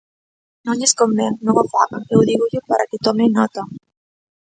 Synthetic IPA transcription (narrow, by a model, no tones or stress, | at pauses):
nõŋeskombeŋnuŋofaɣaŋkewðiɣuʎʊpaɾʔa̰kɪt̪ɔmenɔt̪a